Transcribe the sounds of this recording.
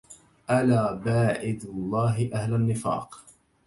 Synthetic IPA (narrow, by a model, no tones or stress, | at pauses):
ʔalaːbaːʕɪd̪ʊlˤːɑːɦɪʔahlanːɪfɑ̰ːq